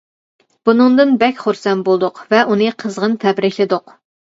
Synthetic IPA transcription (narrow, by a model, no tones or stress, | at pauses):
b̥unɨŋd̪ɨnbɛkʲχoɾsɛnbolˠd̪ʊqvɛʔunɨqʰəzʁənt̪ʰɛbɾɪkʲlɪd̪ʊq